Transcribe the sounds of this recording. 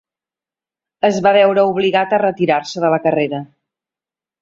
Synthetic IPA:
əzβaβɛwɾəuβliɣat̪ərət̪iɾaɾsəðələkəreɾə

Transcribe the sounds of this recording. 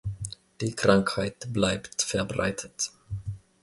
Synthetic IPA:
d̪̥ikʰɾaŋkhaɪt̪blæɪpt̪fɛɾbɾa̰ɪt̪ʰət̪

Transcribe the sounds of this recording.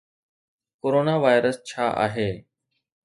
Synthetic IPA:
koːɾoːnaːʋaːjɾəst͡ɕʰaːʔa̰ːɦeː

